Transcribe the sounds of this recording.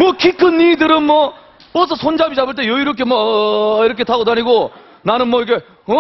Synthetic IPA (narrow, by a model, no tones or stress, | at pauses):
mwʌkʰikʰɯnːiːdɯɾɯnmwʌ | pʌs̬ʰʌsʰond͡ʑabid͡ʑabɯɭt̬͈e̞joiɾok̬ʰe̞mwʌiɾʌkʰetʰaɡodaɲiɡo | nanɯnmwʌikʰe̞ | ʌ